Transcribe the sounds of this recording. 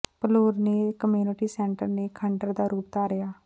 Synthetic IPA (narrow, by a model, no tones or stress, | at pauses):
pəluːɾneːkəmjuːnɪʈiːsɛːɳʈəɾneːkʰəɳɖəɾd̪aːɾuːp̚t̪aːɾɪjaː